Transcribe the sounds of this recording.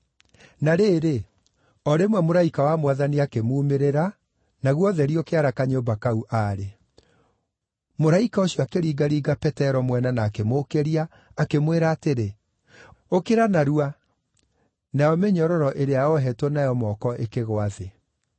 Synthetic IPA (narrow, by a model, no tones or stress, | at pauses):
naɾeːɾe | ɔɾemwɛmoɾaikawamwaðaniakemuːmeɾeɾa | naɣwɔðɛɾiɔkeaɾakaɲoːbakauʔaːɾe | moɾaikaoɕjɔakeɾiːɡaɾiːɡapɛtɛɾɔmwɛnanaːkemokeɾiaː | kemweɾaːteɾe | okeɾanaɾua | najɔmeɲɔɾɔɾɔʔeɾeaɔɦɛtonajɔmɔkɔʔekeɣwaðe